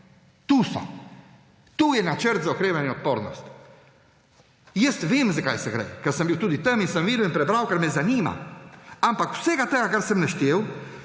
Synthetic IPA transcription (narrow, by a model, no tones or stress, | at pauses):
t̪usa̰ | t̪ujɛnat͡ʃəɾt̪zɔkɾɛvɛniɔt̪̚pɔɾnɔ̰st̪ | jɛst̪vimzəkajsəɡɾɛ̰kəɾsəmbiwt̪ud̪it̪əmisəmvilɛnpɾɛbɾawkəɾmɛzanima̰ampaku̥sɛɡat̪əakəɾsəmnəʃt̪jɛw